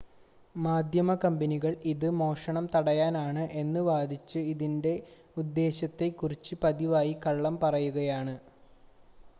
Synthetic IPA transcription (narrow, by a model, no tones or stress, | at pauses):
maːd̪ʱjɐmɐkɐmbɐniɣɐɭiðɨmo̞ːʂɐɳɐmt̪ɐɽɐjaːnaːɳɨʔe̞nːɨʋaːd̪ʱit͡ɕːɨiðinde̞ | ud̪ːe̞ːɕɐt̪ːekːurit͡ɕːɨpɐðiʋaːjikɐɭːɐmpɐrɐjuɣɐjaːɳɨ